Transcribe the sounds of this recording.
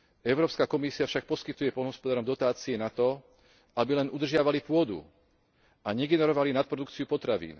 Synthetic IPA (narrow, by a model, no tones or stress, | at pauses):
ɛʊɾɔːpskakɔmisiafʃak̚pɔskit̪ujɛpɔlnɦɔspɔd̪aːɾɔmd̪ɔt̪aːt͡siɛnat̪ɔ | ʔabilɛnud̪r̩ʒɪaʋalipʊɔd̪ṵ | ʔaɲɛɡɛnɛɾɔʋalinat̪̚pɾɔd̪ukt͡siupɔt̪ɾaʋḭːn